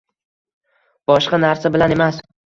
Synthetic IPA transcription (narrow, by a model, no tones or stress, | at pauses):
b̥ɒʃqɑnaɾsabɪlane̞mas